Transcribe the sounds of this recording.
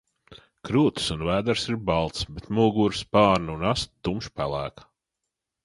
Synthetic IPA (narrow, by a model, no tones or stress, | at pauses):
kɾuːt̪sunvæːd̪aɾsiɾbɑlˠt̪sbet̪muːɡuːɾspɑːɾnunast̪t̪ːumʃpælˠæːkḁ